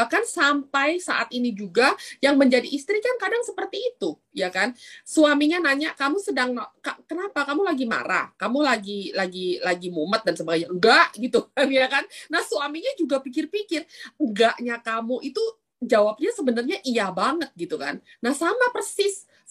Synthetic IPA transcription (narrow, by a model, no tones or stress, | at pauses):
bahkansampajsaʔa̰t̪inid͡ʒuɡajaŋməɲd͡ʒadiʔːst̪ɾikankadaŋsəpərt̪iːt̪u | jakansuamiɲanaɲaʔkamusədaŋakakənapakamulaɡima̰ɾa̰kamulaɡilaɡilaɡimumət̪̚dansəbaɡajɲaŋɡaʔɡit̪uamjakanːahsuamiɲad͡ʒuɡapik̬ɪrpikɪrəŋɡaʔɲakamuʔit̪u | d͡ʒawap̚ɲasəbənarɲaʔiabaŋət̪̚ɡit̪uka̰nːahsamapərsɪs